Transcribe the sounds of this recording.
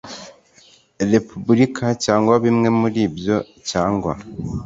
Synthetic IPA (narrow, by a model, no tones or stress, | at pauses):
ɾe̞pʰubuɾikʰacaːŋɡwaβimŋe̞muɾiːbjo̞ | caːŋɡwa̰